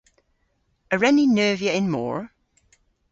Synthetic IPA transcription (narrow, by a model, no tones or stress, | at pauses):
əɹɛninɜːviəɪ̃nmɔ̰ːɹ